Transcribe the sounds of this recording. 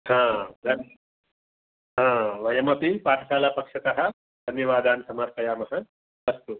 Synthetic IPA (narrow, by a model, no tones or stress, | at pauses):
hãːdɐn | ɦãːʋɐjɐmɐpipaːʈ̪ʰɐsaːlapɐkʂɐt̪ɐɦɐ | d̪ʱɐnjɐʋaːd̪ʱaːnsɐmaːɾpɐjaːmɐɦɐ | ʋɐst̪u